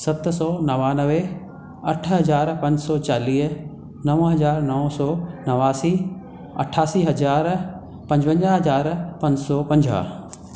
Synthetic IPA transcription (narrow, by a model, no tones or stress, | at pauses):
sɐt̪sɔːnɐʋaːnəʋe | ɐʈʰɦɐzaːɾpɐ̃ɲd͡ʑsɔːt͡ɕaːliːɦ | nɐʋɦɐzaːɾnɐʋsɔːnɐʋaːsiː | ɐ̰ʈʰaːsiːɦɐd͡ʑaːɾ | pɐ̃ɲd͡ʑbə̃ɲd͡ʑaɦɐzaːɾpɐ̃ɲd͡ʑsɔpɐ̃ɲd͡ʑa̰